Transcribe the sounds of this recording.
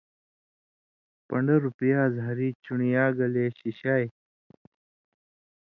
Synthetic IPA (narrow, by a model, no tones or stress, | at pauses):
pɐɳɖɐɾupjaːzɦaɾiːt͡ɕuɳijaːɡɐleːɕiɕaːj